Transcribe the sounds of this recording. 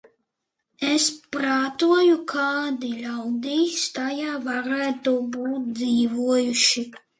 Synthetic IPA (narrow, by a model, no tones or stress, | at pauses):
ɛspɾaːt̪uɔjukʰaːd̪ilʲawd̪iːst̪ajaːvaɾæːt̪ubuːt̪̚d̪ziːvuɔjuʃi